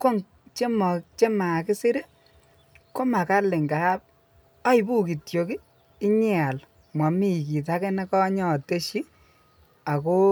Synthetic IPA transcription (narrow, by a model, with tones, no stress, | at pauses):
ko˦ŋ | t͡ʃe˦mɔ˨kt͡ʃe˦ma˨kɪ˦si˦ɾe˦ | ko˦ma˨ka˦lɪ˨ŋɡa˨˦p̚ | a˦i˨bu˦ki˨tjo˨kiː˦ | ɲɛ˦a˨l | mwa˨mi˦˨ki˨t̬a˦kɛ˦nɛ˦kɔ˦ɲɔ˨te˦ʃi˦ | a˨ko˦